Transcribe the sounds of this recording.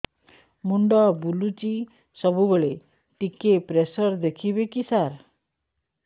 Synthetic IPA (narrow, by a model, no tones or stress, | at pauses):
muɳɖɔbulut͡ɕi | sɔbʱubəɭe | ʈikepɾesɔɾd̪ekʰibekisaɾ